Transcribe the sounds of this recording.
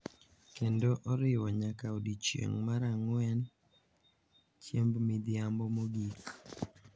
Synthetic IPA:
kendoʔɔɾɪwɔɲakaodit͡ʃḛŋmaɾaŋwɛn | t͡ʃjembmid̪ɪjambɔmoɡik

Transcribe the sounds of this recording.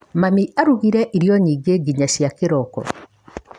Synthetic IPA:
mamiʔaɾuɣiɾɛʔiɾjɔɲiːɡeɡiɲaɕjakeɾɔkɔ̰

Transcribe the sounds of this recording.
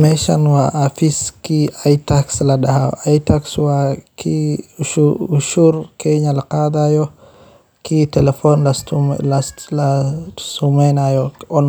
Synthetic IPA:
mɛʃanwaʔafiskiajtakslaɗahaʔajtakswakiuuʃuɾkɛɲalaqaːd̪ajɔ | kitɛlɛfɔnllalasumɛnajɔɔn

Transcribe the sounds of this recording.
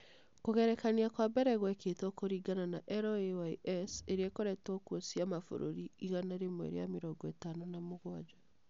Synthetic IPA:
koɣɛɾɛkaniakwabɛɾɛɣwɛketokoɾiːɡananaʔɛɾoewaiʔɛseɾeekoɾɛtɔkwosiamafo̰ɾo̰ɾiiɣanaɾemwḛɾḛjameɾɔːŋɡɔetanonamoɣwad͡ʒa

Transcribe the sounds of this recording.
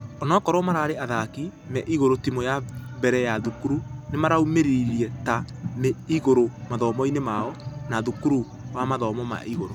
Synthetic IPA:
ɔnɔkɔɾɔmaɾaːɾeaðaki | mɛʔiɣoɾotimɔjabɛɾɛjaðukuɾunemaɾaumeɾiɾiɛta | neiɣoɾomaðɔmɔinemaɔnaðukuɾu | wamaðɔmɔma̰ʔiɣoɾo

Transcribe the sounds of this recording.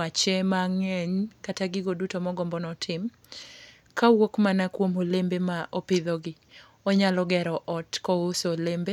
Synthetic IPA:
at͡ʃemaŋɛɲkataɡɪɡodutomɔɡɔmbɔnɔtʰɪm | kawokmanakwomolembemaʔopɪðɔɡɪ | ɔɲalɔɡɛɾɔʔɔtkɔosolembe

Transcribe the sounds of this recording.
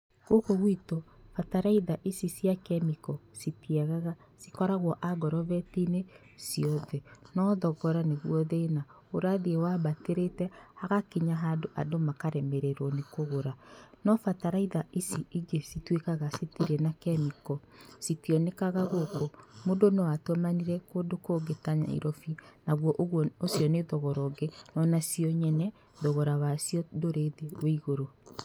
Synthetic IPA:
ɣ̥okoɣwitofataɾaiðaʔisisjakɛmikɔsitiɛɣaɣa | sikɔɾaɣwɔʔaɡɔɾɔβɛtine | siɔðɛnɔðɔɣɔɾaneɣwɔðeːna | oɾaðiewaβateɾetɛhaɣakiɲaɦadoʔadomakaɾɛmeɾeɾɔnekoɣoɾanɔfataɾaiðaisiiɡesitwekaɣaseteɾɛnakɛmikɔsitijɔnekaɣaɣokomondonɔwatwamaniɾɛkodokoːɡetaɲa̰ḭɾɔfinaɣwɔʔosjɔneðɔɣɔɾɔɡenɔnasiɔɲɛnɛ | ðɔɣɔɾawasiɔdoɾeðeweiɣoɾo

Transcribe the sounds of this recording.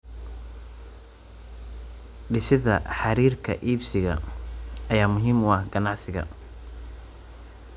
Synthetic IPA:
ɖɪsɪðɐ̰ħɑɾiːrkʰɐʔiːbsɪɣɐ̰ | ɐjaːmʊɦiːmʊɐhɡɐnɑʕsɪɣɐ̰

